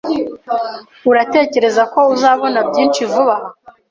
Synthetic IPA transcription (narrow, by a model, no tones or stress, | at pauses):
uɾate̞ːce̞ɾe̞zako̞uzaːβo̞nabɟiːnt͡ʃivuβaha